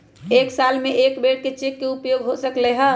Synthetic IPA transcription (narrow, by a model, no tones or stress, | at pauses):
eːksalmẽʔeːkbeɽ̚ket͡ʃekːeupjoɡɦosəkleɦə